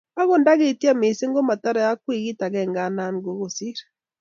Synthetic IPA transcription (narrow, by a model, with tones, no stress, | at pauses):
a˦ɣo˨nda˦ɣe˨ti˦a˦me˨se˦ŋɡo˦ma˨ta˦ɾa˨ja˦kwi˦˨ɣi˦ta˨ɣɛ˦˨ŋɡa˦˨na˦ŋ˦ɡo˨˦ɣo˨si˦ɾa˨